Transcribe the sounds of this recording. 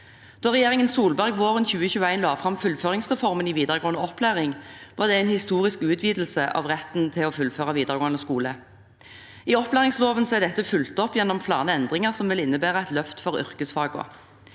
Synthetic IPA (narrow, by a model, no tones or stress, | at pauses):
d̪̥ɑːʁɛjeːʁɪŋənsuːlbæʁɡʋoːʁənçʉːəçʉːəæɪnlɑːfʁɑmfʉlføːʁɪŋsʁɛfɔʁməniʋiːd̪əʁɡoːnəɔplæːʁɪŋʋɑʁd̪ɛæɪnhɪst̪uːʁɪskʉːt̪ʰʋiːd̪l̩səʔɑ̰ʋʁɛt̪nt̪ʰɪlɔːfʉlføːʁɑʋiːd̪əʁɡoːənəskuːlə | iɔplæːʁɪŋsloːʋənsɔɛd̪ɛt̪ːəfʉlt̪ɔpːjɛnːɔmflɑːʁnəɛnd̪ʁɪŋəʁsɔmʋɪlɪnːəbæːʁəæɪt̪lœft̪fɔʁʏ̰ʁkəsfɑːɡʊ̰